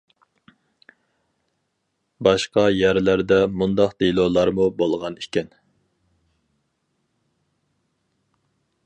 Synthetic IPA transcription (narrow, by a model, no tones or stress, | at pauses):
bɑʃqɑjæɾlæɾd̪ɛmund̪ɑqd̪elˠolˠɑɾmubolˠʁɑnikʲɛn